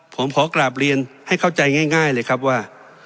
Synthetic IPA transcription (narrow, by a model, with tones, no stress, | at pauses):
pʰo˩˦mkʰɔː˨˩˦klaː˨˩p̬̚ɾi˧ənha˥˩jkʰa˥˩wt͡ɕa˧jŋaː˥˩jŋaː˥˩jlɤː˧jkʰa˦˥p̚waː˥˩